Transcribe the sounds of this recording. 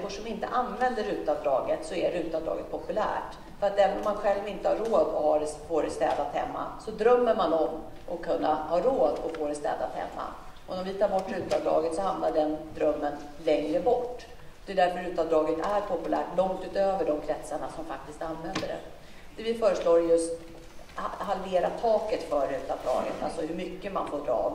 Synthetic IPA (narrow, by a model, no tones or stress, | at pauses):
fɔʂɔmɪnt̪ə̰ʔanvɛnd̪əɾʉ̟ːt̪avd̪ɾɑːɡət̪sɔɛɾʉ̟ːt̪avd̪ɾɑ̰ːɡət̪̚pʰɔpɵlæ̰ːʈ | fœɾat̪d̪ɛvnɔmːanɧɛlvnɪnt̪əhaɾoːd̪ɔ̰hɑɾfoːɾɛst̪ɛ̰ːd̪at̪hɛ̰mːa̰sɔd̪ɾœmːəɾmanɔm | ʔɔkʰːɵnːahɑːɾoːd̪ɔ̰foːɾɛst̪ɛ̰ːd̪at̪hɛ̰mːa̰ | ʔɔɔmvɪt̪ʰɑːɾbɔʈːɾʉ̟ːt̪a̰vd̪ɾɑ̰ːɡət̪sɔhamnaɖɛnd̪ɾœmːən | lɛŋɾəbɔʈː | ɔd̪ɛːd̪æɾfœɾʉ̟ːt̪ad̪ɾɑːɡət̪æɾpʰɔpɵlæ̰ːʈlɔŋt̪ʉ̟ːt̪øːvəɖɔmkʰɾɛt̪səɳasɔmfak̚t̪ɪst̪anvɛnd̪əɖɛ̰ | d̪̥ɛvɪfœːɾəʂloːɾjɵst̪ | halveːɾat̪ʰɑːkət̪fœːɾʉ̟ːt̪avd̪ɾɑ̰ːɡə̰t̪a̰lsɔɦɵɾmʏkːəma̰nfoːɖɾɑ̰ː